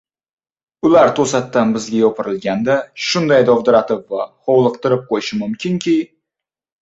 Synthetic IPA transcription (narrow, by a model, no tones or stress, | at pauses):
ʊlaɾt̪ʰosat̪ːanbɪzɡʲajɒpʰɪɾɪlɡʲand̪aʃʊnd̪ajd̪ɒvd̪ɪɾat̪ɪpvaχɒwlˠɨq̚t̪ɪɾɪp̚qʰojɪʃɪmʊmkʲʰɪŋkʲʰɪ